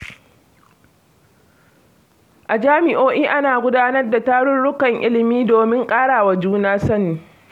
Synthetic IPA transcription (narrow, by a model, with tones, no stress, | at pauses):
ʔa˨d͡ʒaː˦mɪ˨ʔoː˦ʔiː˦ʔa˦naː˨ɡʷʊ˦daː˦nɐ˦rda˨taː˦ɽʊ˦ɽʊ˦kɐ˨ŋʔɪ̰˦lɪ˨miː˦doː˨mɪ˦ŋkʼaː˦ɽaː˨wa˨d͡ʒuː˦naː˦sɐ˦niː˨